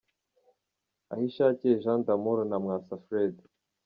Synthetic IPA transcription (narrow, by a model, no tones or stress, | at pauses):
a̰hiʃaːceʒãnd̪amoɾnamŋasafɾed̪